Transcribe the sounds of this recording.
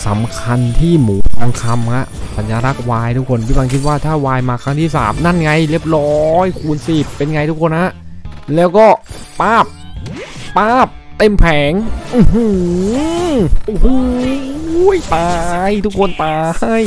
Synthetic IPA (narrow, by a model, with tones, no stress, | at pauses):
sa˩˦mkʰa˧nt̪ʰiː˥˩muː˩˦˥kʰa˧ŋkʰa˧mka˦˥sa˩˦njaː˧ɾa˦˥k̚waː˧jt̪ʰu˦˥kʰo˧npʰiː˥˩ba˧ŋkʰi˦˥t̪̚waː˥˩t̪ʰaː˥˩waː˧jmaː˧kʰɾa˦˥ŋt̪ʰiː˥˩sa̰ː˩˦mna˥˩nŋa˧jli˦˥˩əp̚ɾɔː˦jkʰuː˧nsi˨˩pːe˧nŋa˧jt̪u˦˥kʰo˧nha˦˥ʔlɛː˦˥wkɔː˥˩ | paː˥˩p̚ | paː˥˩p̚t̪e˧˩mpʰɛː˩˦ŋʔu˧˩hu˧˩ | ʔu˧˩hu˧ | jt̪aː˧jt̪ʰu˦˥kʰo˧nt̪aː˧j